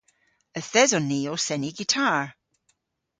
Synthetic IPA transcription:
əθɛzɔniosɛniɡitʰaɹ

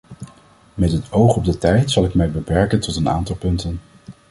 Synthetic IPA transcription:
mɛtɦətowχɔb̚dətɛjtsɑlˠɪkmɛjbəpɛɹkəntɔtəna̰ːntɑlˠpɵntən

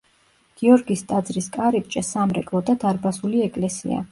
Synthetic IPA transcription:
ɡ̥iɔɾɡist̪ʼad̪zɾiskʼaɾip̚t͡ʃʼɛsamɾɛ̰kʼlˠɔd̪ad̪aɾbasuliɛkʼlɛsḭa̰

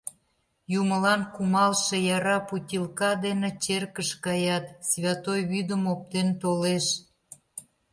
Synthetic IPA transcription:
juməlɑnkumɑlʃejɑɾɑputʲilkɑd̪enet͡ɕerkəʃkɑjɑt̪sβʲɑt̪ojβyd̪əmop̚t̪ent̪oleʃ

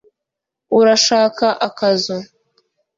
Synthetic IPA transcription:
uɾaʃaːkaʔakazo

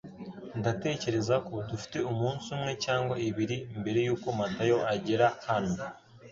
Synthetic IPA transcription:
ndate̞ːce̞ɾe̞zako̞dufi̥te̞umuːnsumŋe̞caːŋɡwaiβiɾimbe̞ɾe̞juːko̞matajo̞ʔaɟe̞ɾahano

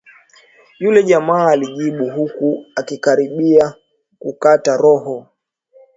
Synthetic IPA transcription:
julɛʄamaːliʄiɓuɦukuakikaɾiɓia | kukataɾɔɦɔ

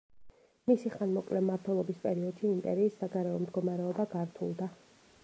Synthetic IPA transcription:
misiχanmɔkʼlɛmaɾt̪ʰwɛlˠɔbispʼɛɾiɔd̪̥ʃiːmpʼɛ̰ɾiːsːaɡaɾɛɔmd̪ɡɔmaɾɛɔbaɡaɾt̪ʰṵlˠd̪a

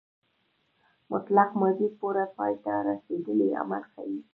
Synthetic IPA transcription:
mʊt̪laqmazid̪̚poɾapɑjt̪aɾased̪əlea̰ma̰lxa̰wi

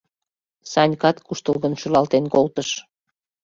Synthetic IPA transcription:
sɑnʲkɑt̪kuʃt̪əlɣənʃylɑlt̪enkolt̪əʃ

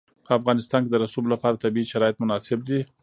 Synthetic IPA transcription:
pəafɣɑnɪst̪ɑnked̪əɾasublapɑɾat̪abiiʃaɾɑjɪt̪̚mʊnɑsɪb̚d̪i

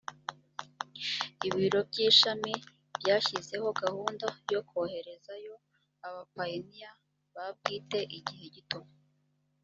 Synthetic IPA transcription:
iβiɾo̞b̚ɟiːʃami | bɟaːçize̞ho̞ɡahuːndajo̞kʰohe̞ɾe̞zajo̞ | aβapainija | βab̚ɡiːte̞ʔiɟihe̞ɟituma

